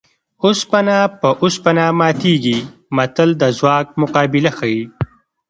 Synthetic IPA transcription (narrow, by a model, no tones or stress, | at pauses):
ʊspɐnaːpəʔʊspɐnamaːt̪iːɡimɐt̪əld̪əzwɑːk̚mʊqɑːbɪlɐxai